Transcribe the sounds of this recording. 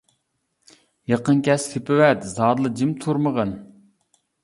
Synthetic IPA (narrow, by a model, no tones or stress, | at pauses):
jɑqənkʲʰɛst̪ʰepɪwɛt̪zɑːd̪lˠəd͡ʒimt̪ʰuɾməʁən